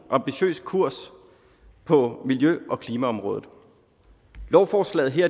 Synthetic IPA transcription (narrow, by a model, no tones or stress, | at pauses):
ʔɑ̈mb̥iɕø̰ːskʰuɐ̰s | pʰɒ̽miljøʔɒ̽kʰliːmæɒ̽mʁɔ̽ːð̩ˠ | lɒʊfɒːslɛ̰ːð̩ˠɦeɐ̰